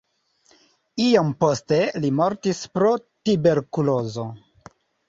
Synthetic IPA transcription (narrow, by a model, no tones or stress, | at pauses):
iompo̞ste̞limo̞ɾtispɾo̞tibe̞ɾkulo̞zo̞